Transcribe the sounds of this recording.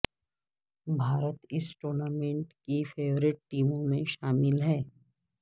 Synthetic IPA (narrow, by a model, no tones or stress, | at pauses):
bʱaːɾət̪ɪsʈoːɾnaːmẽɳʈkifʰeːʋɾɪʈ̚ʈiːmõmẽʃaːmɪlɦɛː